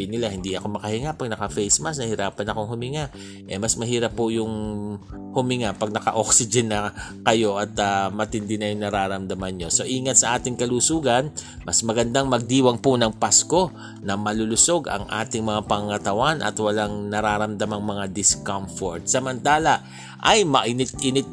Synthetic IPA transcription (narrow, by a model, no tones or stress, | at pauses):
nɪlahɪnd̪iʔɐko̞mɐkɐhɪŋapɐɡ̚nɐkɐfɛjsmɐsnɐhɪɾaːpɐnɐko̞ŋhʊmɪŋaʔ | ʔɛmɐsmɐɦiːɾɐpːʊjʊŋ | hʊmɪŋapɐɡ̚nɐkɐ̰ʔoksɪd͡ʒɛnːɐkɐjo̞ʔɐt̪amɐt̪ɪnd̪ɪnɐjʊŋnɐɾaːɾɐmd̪ɐmanɲo̞so̞ʔiːŋɐt̪̚sɐʔaːt̪ɪŋkɐlusuːɡɐn | mɐsmɐɡɐnd̪aŋmɐɡ̚d̪iːwɐŋpʊnɐŋpasko̞ | nɐmɐlʊlʊso̞ɡʔɐ̰ŋʔa̰ːt̪ɪŋmɐŋapɐŋɐŋɐt̪ɐwanʔɐ̰t̪wɐlaŋnɐɾaːɾɐmd̪ɐmɐŋmɐŋad̪ɪskɐmfoɹt̪sɐmɐnt̪aːlɐ | ʔɐjmɐʔɪnɪt̪̚ʔɪnɪt̪̚